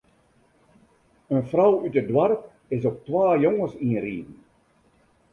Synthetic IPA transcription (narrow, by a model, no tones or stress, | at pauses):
ənfrawytədwarp̚ | ɪsɔk̚twaːjɔŋəsiriːdn̩